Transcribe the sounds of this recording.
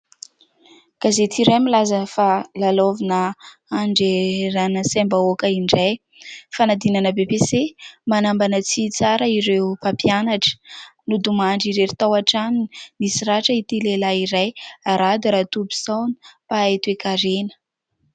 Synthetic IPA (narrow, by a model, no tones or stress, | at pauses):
ɡ̥azet̪ʰiɾemilazəfalalovinəaɳɖ͡ʐeɾanəsembaokəiɳɖ͡ʐaj | fanad̪inanəbepesemanambanət͡sit͡saɾəiɾeupapijanaʈ͡ʂə̥nud̪umaɳɖ͡ʐiɾeɾit̪awaʈ͡ʂanimisiraʈ͡ʂəit̪ilelaiɾajaɾad̪iɾat̪ubi̥sawni̥paet̪uekaɾenə̥